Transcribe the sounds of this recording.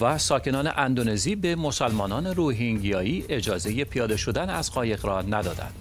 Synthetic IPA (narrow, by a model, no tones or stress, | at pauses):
væsɒːcʰe̞nɒːne̞̰ʔænd̪one̞ziːbemo̞sælmɒːnɒːne̞ɾuːɦiŋɟijɒːiːʔe̞d͡ʒɒːze̞je̞pʰijɒːd̪e̞ʃo̞d̪ænæzɢɒːje̞ɣrɒːnæd̪ɒːd̪æ̰nd̪̥